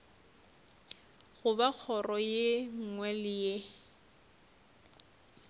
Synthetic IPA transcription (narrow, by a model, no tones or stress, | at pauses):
ɣʊbak͡xʰɔrɔjeŋ̩ŋwɛlɪje